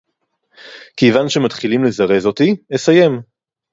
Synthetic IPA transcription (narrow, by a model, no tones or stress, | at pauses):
kejvanʃe̞matχilimlezaʁe̞zo̞tinesaje̞m